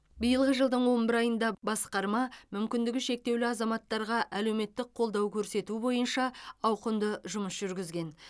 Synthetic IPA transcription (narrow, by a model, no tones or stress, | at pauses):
bijəlˠʁəʒəlˠd̪əɴwo̞mbɪɾɑjənd̪ɑbɑsqɑɾmɑmʏmkʲɪnd̪ɪɡʲɪʃe̞k̚t̪e̞wlɪɑzɑmɑt̪ːɑɾʁɑʔæle̞wme̞t̪ːɪk̚qʰo̞lˠd̪ɑwkʲʰɵɾse̞t̪ubo̞jənʃɑɑwqənd̪əʒʊməsʒʏɾɡʲɪzɡʲe̞n